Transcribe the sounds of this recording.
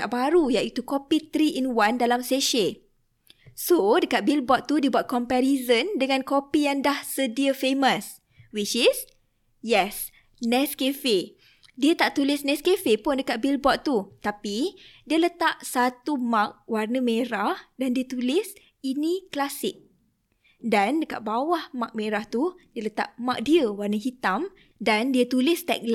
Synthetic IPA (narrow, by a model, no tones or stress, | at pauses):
aʔbaɾujaʔit̪ukopit̪ɾiʔinwandalamseʃə | sodəkat̪̚bilbɔt̪t̪ːudibat̪̚kɔmpɛɾizəndəŋãnkopijaŋdahsədiəfeməs | wit͡ʃis | jɛs | nɛskefe | diət̪aʔt̪ulɪsnɛskefepʊndəkat̪̚bilbɔʔ̪t̪ut̪apidiələt̪aʔsat̪umãk̚warnəmẽɾahdandiət̪ulɪs | inĩklasɪk̚ | dandəka̰ʔ̪̚bawahmãk̚mẽɾaht̪udiələt̪a̰ʔ̚mãk̚diəwarnəɦit̪am | dandiət̪ulɪst̪ɛ̰k̚l